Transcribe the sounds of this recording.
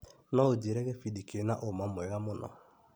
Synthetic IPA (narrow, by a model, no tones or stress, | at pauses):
nɔod͡ʒeɾɛɣɛfidikʰenaʔomamwɛɣamʊnɔ̰